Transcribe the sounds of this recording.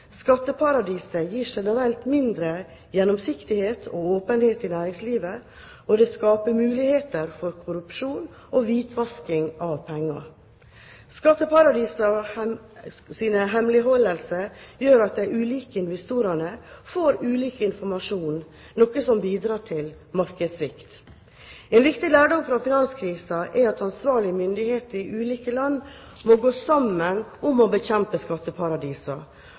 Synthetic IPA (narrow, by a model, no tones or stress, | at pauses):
skɑt̪ːəpʰɑɾɑd̪iːsəjiːʂɛnəɾɛlt̪mɪnd̪ɾə | jɛnːɔmsɪkt̪ɪheːt̪ʰoːoːpənheːt̪ɪnæːɾɪŋsliːʋə | ɔd̪ɛːskɑːpəmʉːlɪheːt̪əɾfɔɾkʰʊɾʉpʂuːn | oʋiːt̪ʰʋɑskɪŋɑʋpʰɛŋːɑ̰ | skɑt̪ːəpɑɾɑd̪iːsɑ | siːnəɦɛmlɪɦɔlːəlsəjøːɾɑt̪̚d̪æɪʔʉːliːkəɪnʋɛst̪uːɾɑnəfoːɾʉːliːkəɪnfɔɾmɑʂuːn | nɔkəsɔmbiːd̪ɾɑːʈʰɪl | mɑɾkəd̪sʋɪkt̪ | eːnʋɪkt̪ɪlæːɖɔŋfɾɑfɪnɑnskʰɾiːsəʔɛɑt̪ɑnsʋɑːɭɪəmʏnd̪ɪheːt̪əɾɪʔʉːliːkəlɑnː | moɡoːsɑmːənʊmobəçɛmpəskɑt̪ːəpʰɑɾɑd̪iːsɑ